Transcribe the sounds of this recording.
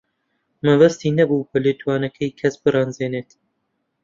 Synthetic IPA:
mɐvɐst̪iːnɐbuːbɐlet̪ʰuwaːnɐkʰɐjkʰɐsbɨrɑːnzeːneːt̪

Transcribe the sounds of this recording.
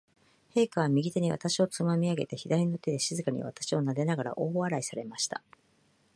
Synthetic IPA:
he̞ːkaβamʲiɡʲit̪e̞ɲ̟iβa̰t̪aɕio̞t͡sɨmamʲiaɡe̞t̪e̞çid̪aɾʲino̞t̪ːe̞d̪e̞ɕizɨkaɲ̟ḭβa̰t̪ḁɕio̞nad̪e̞naɡaɾa̰ʔo̞ːβaɾaisaɾe̞maɕi̥t̪a̰

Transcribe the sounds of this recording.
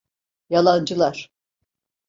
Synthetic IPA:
jalˠand͡ʒɯlˠaɾ̥

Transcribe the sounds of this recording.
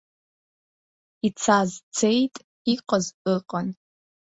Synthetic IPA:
it͡sʰaːzt͡sʰejtʼ | iːqɐzʔɨqʼɐn

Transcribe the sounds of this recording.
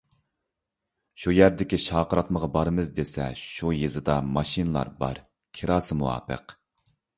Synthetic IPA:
ʃujæɾd̪ɪkʲiʃɑːqəɾɑt̪məʁɑbɑɾmɨzd̪esɛ̰ʃujɨzɨd̪ɑmɑʃinɨlˠɑ̰ɾbɑ̰ɾ | kʲʰiɾɑːsɨmuwɑ̰ːpə̰q

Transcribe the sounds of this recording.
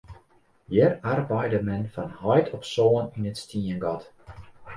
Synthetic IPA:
jɛrarbɛjdəmɛnfɔnhɔjtʰɔpsoːəninətstiənɡɔt

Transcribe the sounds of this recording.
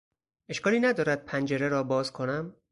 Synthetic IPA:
e̞ʃkɒːliːnæd̪ɒːɾæd̪̚pʰænd͡ʒeɾeɾɒːbɒːzkʰo̞næm

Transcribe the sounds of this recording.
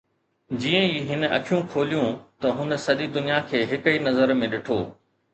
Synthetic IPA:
d͡ʑiːə̃iːɦɪn̆ɐ̰kʰijũkʰoːlijũt̪ɐɦʊnə̆sɐɗid̪ʊnijakʰeːɦɪkəiːnɐzəɾmẽɗɪʈʰoː

